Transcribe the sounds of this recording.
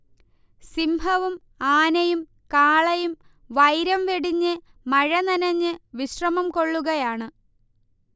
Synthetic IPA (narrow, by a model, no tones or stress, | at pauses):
simbʱɐʋum | aːnɐjum | kaːɭɐjum | ʋɐjɾɐmʋeɽiɲːɨ | mɐɻɐnɐnɐɲːɨʋiɕrɐmɐmko̞ɭːuɣɐjaːɳɨ